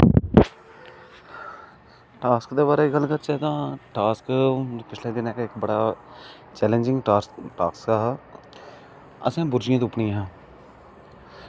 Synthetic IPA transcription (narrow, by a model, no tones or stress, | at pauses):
ʈaːskd̪eːbaːɾeːiɡəlːkəɾt͡ʃɛːt̪ãːʈaːskpɪt͡ʃʰlẽːd̪ɪnɛ̃ːkeɪkbəɽaː | t͡ʃɛːlẽːɲd͡ʒɪ̃ŋɡʈaːkskaːɦ | ə̰sẽːbʊɾd͡ʒɪjãːt̪̬ʊpɳĩːɦãː